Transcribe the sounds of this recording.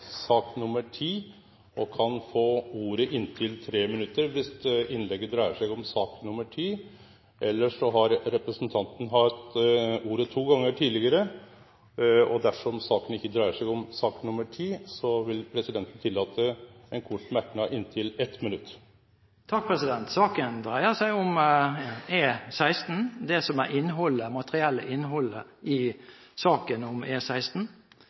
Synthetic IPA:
sɑːknʊməʈʰiː | ɔkʰɑnfoːuːɾəʔɪnːt̪ʰɪlt̪ʰɾeːmɪnʉt̪ːəɾʋɪsɪnlɛɡːəd̪ɾæɪəʂɛɡɔmsɑːknʊməʈʰiː | ʔɛlːəʂɔɦɑɾɾɛpɾəsnt̪ʰɑnt̪n̩ɦɑt̪uːɾət̪ʰuːɡɑŋːəʈʰiːdlɪɡəɾə | ɔ̰d̪æʂɔmsɑːkənɪçːəd̪ɾæɪəʂɛɡɔmsɑːknʊməʈʰiːsɔʋɪlpʰɾɛsɪd̪ɛnt̪n̩t̪ʰɪlːɑːt̪ʰəɛnkʰʊʈmæknɑʔɪnt̪ʰɪlɛt̪mɪnʉt̪ː | t̪ʰɑk̚pʰʁɛsɪd̪ɛnt̪sɑːkənd̪ʁæɪəsæɪɔm | eːsæɪst̪n̩d̪ɛsɔmæʔɪnːɦɔlːəmɑt̪əʁɪɛlːəʔɪnːɦɔlːə | ɪ | sɑːkənɔmeːsæɪst̪n̩

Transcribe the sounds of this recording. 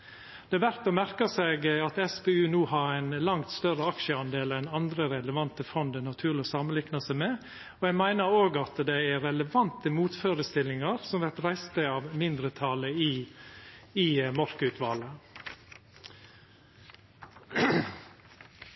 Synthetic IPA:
d̪̥ɛæʋæɾt̪ɔmæɾkəseːɡɑt̪ɛspeːʉːnuːɦɑɾæɪnlɑŋt̪st̪œɾəɑkʃəɑnd̪eːlɛnɑnd̪ɾəɾɛləʋɑnt̪əfɔnd̪ənɑt̪ʰʉːlɪɔsɑːmənlɪknəsəmeː | ɔɛɡmæɪnəɾoːɡɑt̪d̪ɛæɾɛləʋɑnt̪əmuːt̪føːɾəst̪ɪlːɪŋɑɾsɔmʋæɾt̪ɾæɪst̪əɑːʋmɪnd̪ɾət̪ʰɑləi | imɔɾkəʉt̪ʰʋɑːlə

